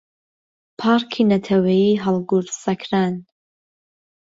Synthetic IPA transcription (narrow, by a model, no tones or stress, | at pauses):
pʰaːɾkʰinɐt̪ʰɐwɐjiɦɐlˠɡuɾsɐkʰɾaːn